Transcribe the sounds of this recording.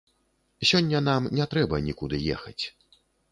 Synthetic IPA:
sʲɔnʲːɐn̪amnʲɛt̪ɾɛbɐnʲikud̪ɨjɛ̰xɐt͡sʲ

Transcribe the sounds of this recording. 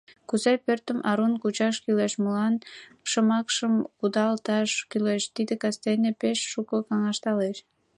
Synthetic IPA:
kuzɑjpørt̪əmʔɑɾunkut͡ɕɑʃkyleʃməlɑnʃəmɑkʃəmkud̪ɑlt̪ɑʃkyleʃt̪id̪ekɑst̪enepeʃːukəkɑŋɑʃt̪ɑleʃ

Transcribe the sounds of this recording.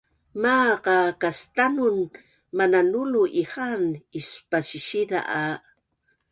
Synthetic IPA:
maqakast̪anun | mananuluʔihanispasiʃid̪a̰ʔa

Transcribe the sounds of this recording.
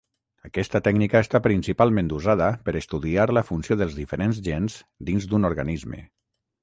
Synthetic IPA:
əkɛst̪ət̪ɛɡnikəːst̪apɾinsipalˠmẽnd̪uzaðəpəɾəst̪uðiaɾləfunsjoðəlˠzðifəɾenzʒenz | d̪inzd̪unoɾɣanizmḛ

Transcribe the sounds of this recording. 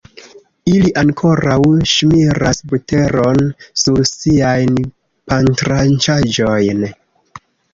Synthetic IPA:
iliʔaŋkʰo̞ɾawʃmiɾasbute̞ɾo̞nsuɾsiajn | pantɾant͡ʃad͡ʒo̞jn

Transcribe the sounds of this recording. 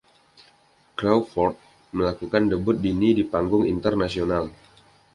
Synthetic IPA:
klawfɔrt̪̚ | məlakukandəbʊt̪̚dinidipaŋɡʊŋḭnt̪ərnasional

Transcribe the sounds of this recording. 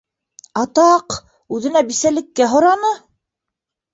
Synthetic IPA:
ɑt̪ɑq | ʉðɘ̆næbisælɘ̆kːæɦŏɾɑnɤ

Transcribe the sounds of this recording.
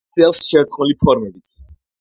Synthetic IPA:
sɛlˠsʃɛɾt̪χmulipʰɔɾmɛbit̪sʰ

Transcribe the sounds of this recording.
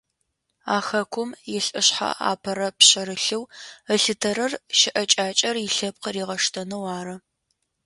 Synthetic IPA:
aːxɐkʷʰʊmjɪɬʼɨɕħa̰a̰ːpʰɐɾɐpɕɐɾɨɬɨwəɬɨtʰɐɾɐrʃɪʔɐt͡ʃʼaːt͡ʃʼɐrjɪɬɐp̚qəriːʁɐʂtʰɐnɨwaːɾɐ

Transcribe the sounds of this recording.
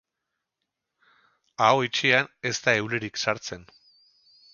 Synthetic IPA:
aoit͡ʃeane̞st̪aewle̞ɾiksaɾt͡se̞n

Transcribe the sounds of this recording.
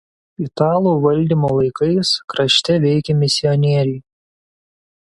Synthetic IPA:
it̪ɑːlˠuːʋɐlʲˑd̪ʲiːˑmoːlˠɐɪkɐɪskɾɐʃʲt̪ʲɛʋʲɛɪkʲɛmʲɪsʲɪɔnʲiɛɾʲɛɪ

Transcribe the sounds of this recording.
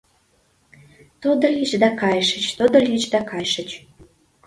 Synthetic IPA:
t̪od̪əlit͡ɕd̪ɑkɑjʃət͡ɕt̪od̪ə̆lʲit͡ɕd̪ɑkɑjʃə̆t͡ɕ

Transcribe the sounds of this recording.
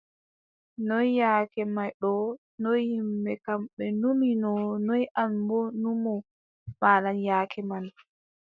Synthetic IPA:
nɔjjaːkɛmajɗɔ | nɔjhimbɛkamɓɛnuminɔnɔjʔambɔnumɔ | maːlanjaːkʰɛman

